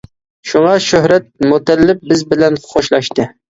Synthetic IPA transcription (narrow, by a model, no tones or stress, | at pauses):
ʃuŋɑʃøhɾɛt̪̚mut̪ɛlːɪp̚bɪzbɪlɛnχχʰoʃlˠɑʃt̪ɨ